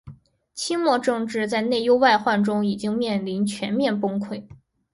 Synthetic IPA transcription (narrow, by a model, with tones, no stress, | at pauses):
t͡ɕʰi˥mwɔ˥˧ʈ͡ʂɤ˥˧ŋʈ͡ʂɻ̩˥˧t͡sa˥˧ɪne˥˩ɪjo˥ʊwa˥˧ɪxwa˥˩nʈ͡ʂʊ˥ŋi˨˩t͡ɕi˥ŋmjɛ˥˩nli˧˥nt͡ɕʰɥɛ˧˥nmjɛ˥˩npʊ˥ŋkʰwe˥˩ɪ